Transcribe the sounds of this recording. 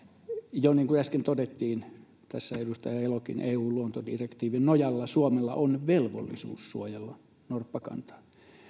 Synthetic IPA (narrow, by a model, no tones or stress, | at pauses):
joniːŋkuæskent̪odet̪ːiːn | t̪æsːæedust̪ɑjɑelokḭnʔeːuːluont̪odirekt̪iːʋinnojɑlːɑsuomelːɑ̰ʔonʋelʋo̰lːḭsṵːssuojelːɑ | norpːɑkɑ̰nt̪ɑ̥ː